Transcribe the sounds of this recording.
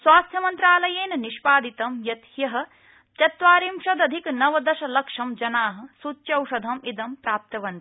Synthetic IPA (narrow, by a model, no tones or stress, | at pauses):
sʋaːst̪ʰjɐmɐnt̪ɾaːlɐjeːnɐniʃpaːd̪it̪ɐmjɐt̪jɐɦɐ̆ | t̪jɐt̪ʋaːɾiːmʃɐd̪ɐd̪ʱiknɐʋɐd̪ɐʃɐlɐkʂɐmd͡ʒɐnaːɦɐ̆sutːʃɐwʂɐd̪ʱɐmid̪ɐmpɾaːp̚t̪ɐʋɐnt̪i̥